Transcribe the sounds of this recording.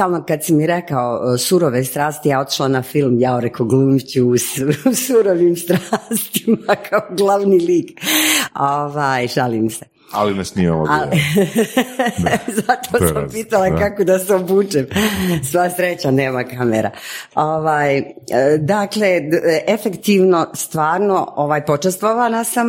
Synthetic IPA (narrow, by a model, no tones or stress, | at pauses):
alnokad̪simːiɾekaosuɾoʋest̪ɾaːst̪ijao̞t̪i̥ʃlˠanafilˠmjaoɾekoɡlumt͡ɕuːsusuɾoʋiːmst̪ɾaːst̪i̥makʰaoɡlˠaʋniliːk | oʋaːjʃaliːmse | a̰limɛsniːma̰la̰al | zat̪oampiːt̪alˠakakod̪aseobuːt͡ʃemsʋaasɾet͡ɕane̞ːmakamḛɾa̰oʋaːjəd̪akle̞ʔefekt̪iʋno̞st̪ʋaːɾno̞oʋaːjpot͡ʃest̪ʋoʋanasam